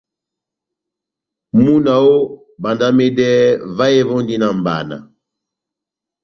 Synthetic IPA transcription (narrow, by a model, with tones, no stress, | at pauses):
mu˦na˨wo˦ | ba˨nda˦me˦dɛ˦va˦e˦vɔ˦ndi˦na˨mba̰˨na̰˨